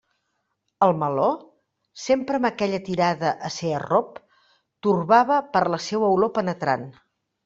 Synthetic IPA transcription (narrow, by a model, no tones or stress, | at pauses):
əlˠməlo | sempɾəːməkɛʎət̪iɾaðəʔəseərop̚ | t̪urβaβəpəɾləsɛwəwlopənət̪ɾa̰n